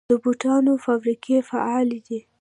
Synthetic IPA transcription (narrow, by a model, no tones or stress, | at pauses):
d̪̥əbuʈɑnofabɾikʰefa̰ɑlid̪i